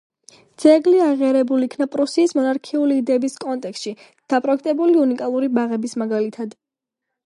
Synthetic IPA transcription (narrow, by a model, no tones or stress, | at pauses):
d̪z̥ɛɡliaʁiaɾɛbuliːkʰnapʼɾusiːsmɔnaɾkʰiuliːd̪ɛːbiskʼɔnt̪ʼɛkst̪ʃi | d̪̥apʼɾɔɛk̚ʰt̪ʼɛbuliunikʼalˠuɾibaʁɛbismaɡalit̪ʰad̪